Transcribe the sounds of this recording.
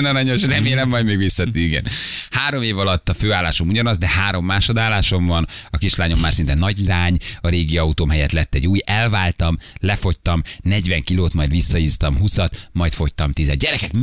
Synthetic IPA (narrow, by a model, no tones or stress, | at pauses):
nɒɾɒɲoʃrɛmeːlɛmːɒjd̪meːɡʋisːɒt̪iɡɛ̰nhaːɾo̞meːvɒlɒt̪ːɒføːaːlːaːʃo̞muɟɒnɒzd̪ɛhaːɾo̞mːaːʃo̞d̪aːlːaːʃo̞mvɒnɒkiʃlaːɲomːaːrsint̪ɛnɒɟlaːɲɒɾeːɡiɒut̪oːmɦɛjɛt̪lɛt̪ːɛɟuːjɛlvaːlt̪ɒmlɛfo̞ct̪ɒmnɛɟvɛŋkiloːt̪mɒjd̪ʋisːɒiːst̪ɒmɦusɒt̪mɒjt̪fo̞ct̪ɒmt̪izɛ̰d̪ɟɛɾɛkɛk